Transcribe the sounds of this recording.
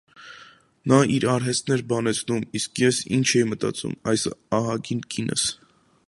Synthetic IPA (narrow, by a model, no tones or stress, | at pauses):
nɑiɾɑɾɦɛst̪nɛɾbɑnɛt͡sʰnumiskjɛsḭnt͡ʃʰɛjimət̪ɑ̰t͡sṵmɑjsɑɦɑɡinkinʔə̰s